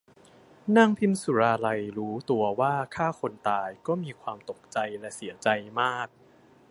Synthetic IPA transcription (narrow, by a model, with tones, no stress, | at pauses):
na˥˩ŋpʰi˧˥msu˨˦ɾaː˧la˧jɾuː˦˥t̪u˧ɐwaː˥˩kʰaː˥˩kʰo˧nt̪aː˧jkɔː˥˩miː˧kʰwaː˧mt̪o˨˩k̚t͡ɕa˧jlɛ˦˥si˩˦ɐt͡ɕa˧jmaː˥˩k̚